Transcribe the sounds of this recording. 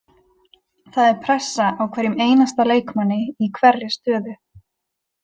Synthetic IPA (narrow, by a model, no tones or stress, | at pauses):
θaðɛɾpʰɾɛsːaʔawkʰvɛːɾjɪmeːjnast̪aleːjkmanːɪikʰvɛɾlɪ̥st̪œːðʏ